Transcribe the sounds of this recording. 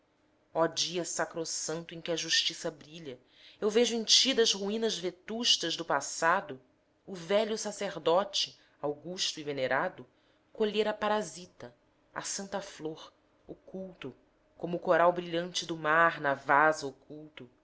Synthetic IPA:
ɔd͡ʒiɐsakɾosɐ̃nt̪ʊẽkʲɪɐʒuʃt͡ʃisɐbɾiʎɐ | ewveʒʊẽt͡ʃid̪ɐzhuĩnɐzvet̪uʃt̪ɐzd̪ʊpasad̪ʊ | ʊvɛʎʊsaseɾd̪ɔt͡ʃɪ | awɡuʃt̪ʊiveneɾad̪ʊ | koʎeɾɐpaɾazit̪ɐ | ɐ̰sɐ̃nt̪ɐfloɾ | okuwt̪ʊ | kõmʊːkoɾawbɾiʎɐ̃nt͡ʃɪd̪ʊmaɾnɐvazɐokʰuwt̪ʊ

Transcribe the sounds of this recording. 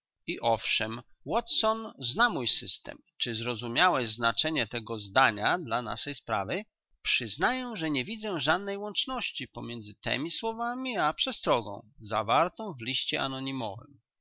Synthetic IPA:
iʔɔfʂɛm | wɔt̪sɔnznamujsɘst̪ɛ̰mt͡ʂɘzɾɔzumʲjawɛʑznat͡ʂɛɲɛt̪ɛɡɔzd̪aɲad̪lana̰ʂɛjspɾa̰vɘ | pʂɘznajɛw̃ʐɛɲɛvʲid̪zɛʐad̪nɛjwɔnt͡ʂnɔɕt͡ɕipɔmʲjɛnd̪zɘt̪ɛ̰mʲiswɔvamʲiapʂɛst̪ɾɔɡɔ̰̃w̃za̰vaɾt̪ɔ̃w̃vlʲiɕt͡ɕɛʔanɔɲimɔ̰vɘ̰m

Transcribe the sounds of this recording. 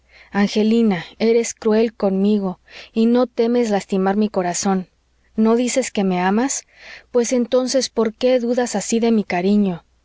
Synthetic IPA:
aŋxe̞linae̞ɾe̞skɾue̞lko̞nmiɣo̞ino̞t̪e̞me̞zlast̪imaɾmiko̞ɾaso̞nː | o̞ðise̞ske̞me̞amas | pwe̞se̞nt̪o̞nse̞spo̞ɾke̞ðuðasasiðe̞mikaɾiɲo̞

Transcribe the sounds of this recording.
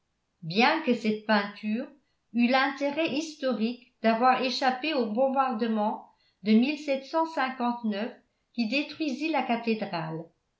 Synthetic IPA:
bjɛ̃kəsɛt̪̚pɛ̃t̪yːʁ | ylɛ̃t̪eʁɛʔist̪ɔʁik | d̪avwaʁeʃapeobɔ̃baʁd̪əmɑ̃ | d̪əmilsɛt̪sɑ̃sɛ̃kɑ̃t̪nœf | kʲid̪et̪χwɥizilakat̪ed̪ʁal

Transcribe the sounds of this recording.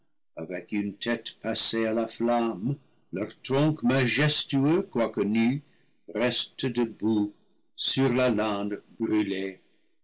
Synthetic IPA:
avɛkyntʰɛtpasealaflam | lœʁtɾɔ̃ŋkmaʒɛstyøkwakəny | rɛstədəbu | syʁlalãdbʁyle

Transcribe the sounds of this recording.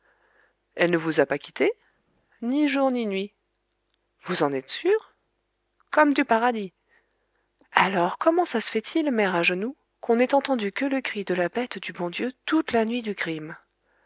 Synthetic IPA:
ɛlnəvuzapakʲi̥t̪e | niʒuʁninɥi | vuzɑ̃nɛt̪syːʁ | kɔmd̪ypaʁad̪i | alɔʁkɔmɑ̃sasə̥fɛt̪ʰilmɛʁaʒənu | kʰɔ̃nɛt̪ɑ̃t̪ɑ̃d̪ykələkχid̪əlabɛt̪d̪ybɔ̃d̪jøt̪ut̪lanɥid̪ykχim

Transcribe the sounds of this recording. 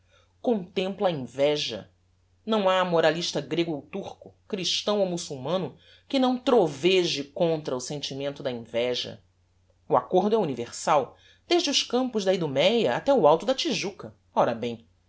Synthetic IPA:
kõnt̪ẽmplɐĩvɛʒɐ̰ | nɐ̃w̃aːmoɾaliʃt̪ɐɡɾeɡʊowt̪uχkʊkɾiʃt̪ɐ̃w̃owmusuwmɐ̃nʊ | kɪnɐ̃w̃t̪ɾoveʒɪkõnt̪ɾɐʊsẽnt͡ʃimẽnt̪ʊd̪ɐĩvɛʒɐ̰ | uakoɾd̪ʊɛuniveχsaw | d̪̥eʒd͡ʒɪʊʃkɐ̃mpʊzd̪ɐid̪umɛjɐa̰t̪ɛʊawt̪ʊd̪ɐt͡ʃiʒukɐ | ɔɾɐbẽj̃

